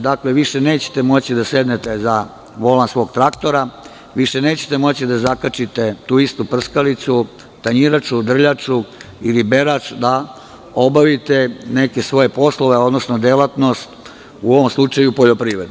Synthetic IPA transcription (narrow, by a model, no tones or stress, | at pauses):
d̪akle̞ʋiʃe̞neːt͡ɕe̥t̪e̞mo̞t͡ɕid̪ased̪net̪e̞za | ʋo̞lansʋo̞ːɡt̪ɾakt̪o̞ɾa | ʋiʃe̞ne̞ːt͡ɕe̥t̪e̞mo̞t͡ɕid̪azakat͡ʃit̪e̞t̪uːist̪upr̩skalit̪su | t̪aɲiɾat͡ʃud̪r̩ʎat͡ʂu | ilibe̞ɾat͡ʃd̪a | o̞baʋit̪e̞ne̞ke̞sʋo̞je̞po̞slo̞ʋe̞o̞d̪no̞sno̞d̪elat̪no̞st̪ | uo̞ʋo̞mslˠut͡ʂajupo̞ʎo̞pɾiːʋɾe̞d̪n